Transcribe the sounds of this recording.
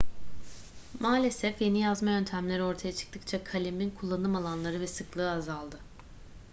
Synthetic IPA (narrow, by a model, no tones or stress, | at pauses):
maːlʲe̞sɛfje̞nijazmajø̞nt̪ʰæmlʲeɾo̞ɾt̪ʰajat͡ʃʰɯ̥k̚t̪ʰɯk̚t͡ʃʰakʰalʲiminkʰulˠːanɯmalˠanlˠaɾɯvɛsɯklˠɯːazalˠd̪ɯ